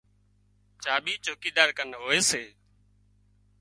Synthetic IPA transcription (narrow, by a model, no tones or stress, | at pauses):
t͡ʃaːɓiːt͡ʃoːkiːd̪aːɾkənɦoːeːseː